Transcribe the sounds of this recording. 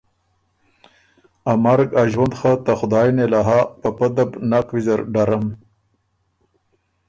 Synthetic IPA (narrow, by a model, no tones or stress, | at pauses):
amaɾɡaʒwand̪xat̪axʊd̪ɑːjnelaɦapapad̪abnaqwizaɾɖaɾam